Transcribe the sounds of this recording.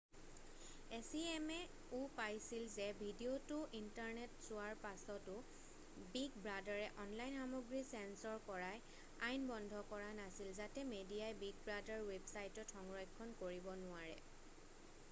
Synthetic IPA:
esiɛmɛ | upajsilzɛbʱidiotʊʔintaɹnɛtz̥ʊwaɹpasɔtʊ | biɡbɹadaɹɛʔɔnlajnxamɔɡɹisɛnsɔɹkɔɹaj | ajnbɔndʱɔkɔɹanasilzatɛmediajbiɡ̚bɹadaɹwebsajtɔtʰɔŋɹɔjkʰːɔnkoɹibɔnʊaɹɛ̰

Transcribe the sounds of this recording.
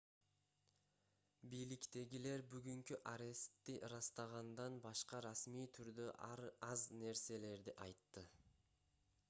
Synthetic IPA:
bijlikt̪e̞ɡʲile̞ɾbyɡyŋkyʔaɾʲe̞st̪ːiʔɾɑst̪ɑʁɑnd̪ɑnbɑʃqɑɾɑsmiːt̪ʰyɾd̪øʔɾɑzne̞ɾse̞le̞ɾd̪iʔɑjt̪ːɯ

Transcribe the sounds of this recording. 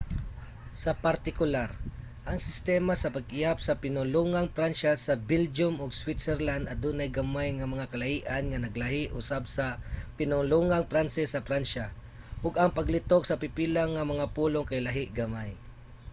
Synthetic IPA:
sɐpaɾt̪ɪkʊlaɾ | ʔɐŋsɪst̪ɛːmasɐpaɡʔɪjapsɐpɪnʊluŋaŋpɾanʃasɐbɪld͡ʒʊmʔʊɡswɪt̪sɛɾland̪ɐd̪uːnajɡamajŋɐmɐŋakɐlahiːʔanŋɐnɐɡlaɦɪʔʊ̰sab̚sɐpɪnʊŋluŋaŋpɾansɪsːɐpɾanʃa | ʔʊɡɐŋpɐɡlɪt̪ok̚sɐpɪpiːlaŋːɐmɐŋapuːloŋkajlaɦɪʔɡamaj

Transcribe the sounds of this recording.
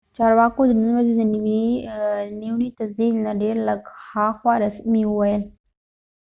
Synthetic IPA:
t͡ʃɑɾwɑkod̪ənənwazed̪əniwi | niwɳit̪asd̪ilnaɖeɾləɡxɑxwɑɾasmiəwajəl

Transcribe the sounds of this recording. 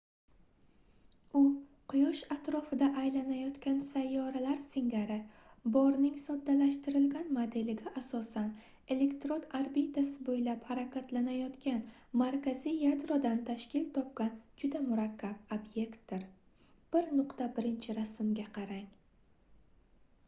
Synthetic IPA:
ʊ | qʰʊjɒʃat̪ɾɒfɪd̪aʔajlanajɒt̪kʲansajːɒɾalaɾsɪŋɡʲaɾɪ | bɒɾnɪŋsɒd̪ːalaʃt̪ɪɾɪlɡʲanmod̪e̞lɪɡʲaʔasɒsan | e̞le̞kt̪ɾonaɾbit̪ʰasɪbojlaphaɾakʲʰat̪lanajɒt̪kʲanmaɾkʲazijad̪ɾɒd̪ant̪ʰaʃkʲɪlt̪ʰɒp̚kʲand͡ʒʊd̪amʊɾakʲːab̚obje̞kt̪̚d̪ɪɾ | b̥ɪɾnʊqt̪abɪɾɪnt͡ʃʰɪɾasɪmɡʲaqʰɑɾaŋ

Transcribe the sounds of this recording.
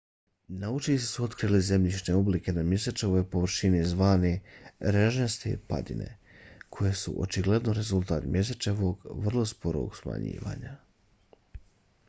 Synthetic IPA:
naut͡ʃiise̥suo̞t̪kɾijlize̞mʎiʃne̞o̞bliːke̞namjeset͡ʃe̞ʋojpo̞ʋr̩ʃinizʋaːniɾeʒest̪ḛpa̰d̪ḭnḛ | kʰo̞jeːsṵʔo̞̰t͡ʃiɡle̞d̪noɾe̞zulˠt̪aːt̪mje̞s̬et͡ʃe̞ʋo̞ɡʋrlˠo̞spoɾo̰ɡsma̰ɲḭːʋa̰ːɲa

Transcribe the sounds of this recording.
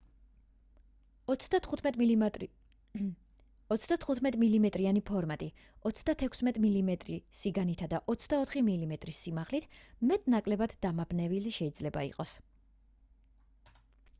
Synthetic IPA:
ɔt̪sd̪at̪ʰχut̪ʰmɛt̪ʼmilimɛt̪ʼɾianipʰɔɾmat̪ʼi | ɔt̪sʰd̪at̪ʰɛkʷʰsmɛt̪ʼmilimɛt̪ʼɾisiɡanit̪ʰad̪aʔɔt̪sʰd̪aɔt̪ʰχimilimɛt̪ʼɾisːimaʁlit̪ʰmɛt̪ʼnakʼlɛbad̪d̪amabnɛviliʃɛid̪zlɛba̰ḭqʼɔs

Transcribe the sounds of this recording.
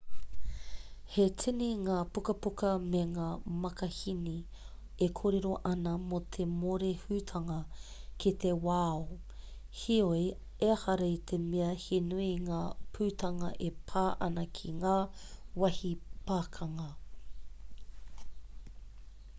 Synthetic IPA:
hetʰiniŋaːpukɐpukɐmeŋaːmɐkɐhini | ekʰoːɾeɾo̞ʔɐnɐmot̪ʰemoɾehʉːt̪ʰɐŋɐkit̪ewaːo | hioj | eɐhɐɾɐit̪ʰemeɐhinuiŋaːpʰʉːt̪ʰɐŋɐʔepʰaːʔɐ̰nɐkʰiŋaːwɐhipaːkʰɐŋɐ

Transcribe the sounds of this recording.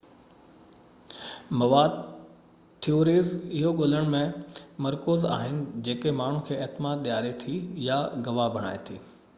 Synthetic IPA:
mɐʋaːd̪ | t̪ʰioːɾiːzɪɦoɠoːləɽ̃mẽmɐɾkoːza̰ːɦɪnɪ̆d͡ʑeːkemaːɳ̤ũkʰeːeɦt̪maːd̪ɗ̪ijaːɾet̪ʰijaɡɐʋabʱɐɽ̃a̰ːet̪ʰḭː

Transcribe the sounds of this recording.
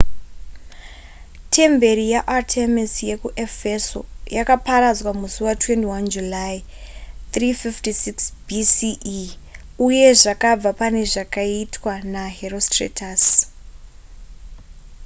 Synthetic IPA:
tʰe̞mbe̞ɾijaʔatʰemisje̞kuʔefeso̰jakapaɾad͡zwamusuwatwe̞ntiwand͡ʒulai | t̪rififtisiksbisiʔ | uje̞ʐakab͡vapane̞ʐakaitwanaɦerostrḛtʰas

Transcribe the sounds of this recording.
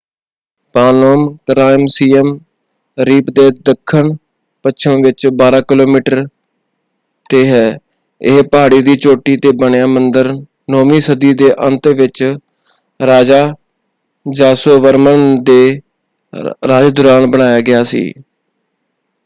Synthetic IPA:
paːnoːmkəɾaːɪmsiːəm | ɾiːpd̪eːd̪əkʰːəɳ | pət͡ʃʰəmʋɪt͡ʃbaːɾaːkɪloːmiːʈəɾ | t̪eːɦɛː | ɪɦpaːɽiːd̪iːt͡ʃoːʈiːt̪eːbəɳjaːmənd̪əɾ | noːmiːsəd̪iːd̪eːʔə̃nt̪ʋɪt͡ʃ | ɾaːd͡ʒaː | d͡ʒaːsoːʋəɾmənd̪eː | ɾaːd͡ʒd̪ʊɾaːnbəɽ̃aːjaːɡɪjaːsḭː

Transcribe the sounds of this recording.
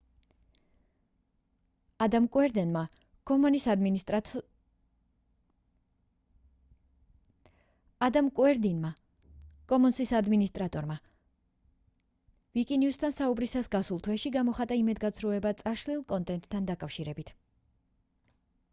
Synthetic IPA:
ad̪amkʼwɛɾd̪ɛnma | ɡ̥ɔmɔnisd̪m | ad̪amkʼwɛɾd̪inma | ɡ̥ɔmɔnsisad̪minist̪ʼɾat̪ʼɔɾma | vikʼinjust̪ʰansaubɾisasɡasulˠt̪ʰwɛʃiɡamɔχat̪ʼaimɛd̪ɡat̪sʰɾɔɛbat̪sʼaʃlilˠkʼɔnt̪ʼɛnt̪ʼʰːand̪akʼafʃiɾɛbit̪ʰ

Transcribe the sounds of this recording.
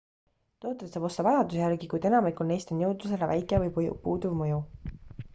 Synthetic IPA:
t̪oːt̪ːˑɾet̪sɑːbo̞st̪ɑvɑjɑd̪usjærɡikujd̪̥e̞nɑmikulnejst̪o̞njɤwd̪us̬e̞levæjkːˑevɤj̰puːd̪uvmɤju

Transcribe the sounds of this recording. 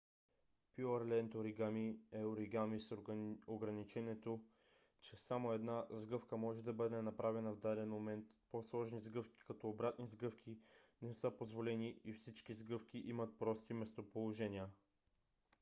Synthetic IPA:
pjuɐɾlɛnt̪oɾiɡamiɛoɾiɡamisoɡɾɐnit͡ʃɛnʲɛt̪o | t͡ʃɛsamoɛd̪nazɡɤfkəmɔʒɛd̪ɐbɤd̪ɛnɐpɾavɛnɐvd̪alɛnmomɛnt̪poslˠɔʒnizɡɤfkʲi̥kɐt̪ɔobɾat̪nizɡɤfkʲʰinɛsɤpozvolɛniifsit͡ʃkʲizɡɤfkʲiʔimət̪̚pɾɔst̪imɛst̪opolˠoʒɛnʲiə

